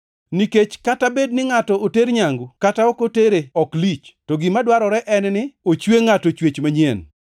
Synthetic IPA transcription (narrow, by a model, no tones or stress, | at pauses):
niket͡ʃkatabednɪŋatɔoteɾɲaŋɡukataɔkoteɾeɔklit͡ʃtɔɡimadwaɾɔɾɛʔɛnnɪot͡ʃweŋatot͡ʃwet͡ʃmaɲen